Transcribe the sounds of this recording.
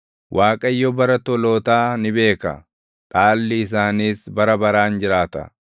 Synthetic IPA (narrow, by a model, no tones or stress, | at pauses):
wʔaːkʼɐjːɔbɐɾɐt̪ɔloːt̪aːnɪbe̞ːkɐ̰ | ᶑaːlːɪːs̬aːniːsbɐɾɐbɐɾaːnd͡ʒɪɾaːt̪ɐ̰